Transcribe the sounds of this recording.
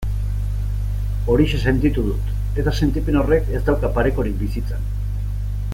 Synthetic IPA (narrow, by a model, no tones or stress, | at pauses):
o̞ɾiʃese̞nt̪it̪uðut̪ | e̞t̪ase̞nt̪ipeno̞re̞ke̞zd̪awkapaɾe̞ko̞ɾik̚bisit͡san